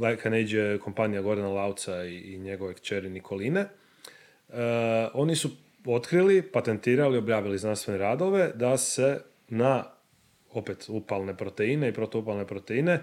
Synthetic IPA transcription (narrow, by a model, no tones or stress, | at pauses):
dakʰanejd͡ʒieko̞mpanijaɡo̞ɾenalawt̪saiːɲe̞ɡo̞ʋekt͡ʃeɾinikʰo̞line̞ | o̞nisu | o̞t̪kɾilipat̪e̞nt̪iːɾalio̞bjaːʋiliznanst̪ʋe̞neɾaːd̪o̞ʋe̞d̪ase̞ | na | o̞pet̪upalne̞pɾo̞t̪eine̞ipɾot̪oupalˠne̞pɾo̞t̪e̞ine̞